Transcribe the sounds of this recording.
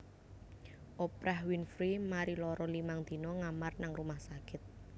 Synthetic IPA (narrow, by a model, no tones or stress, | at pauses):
ʔopɾʔahwinfɾimaɾilɔɾɔlimaŋd̪̥i̤nɔŋamarnaŋrumahsakɪt̪̚